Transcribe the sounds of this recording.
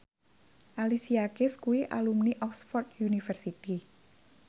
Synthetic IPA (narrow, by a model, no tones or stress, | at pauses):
ʔalisiakɪskuiʔa̰lumniʔɔksfɔrt̪̚junifərsit̪i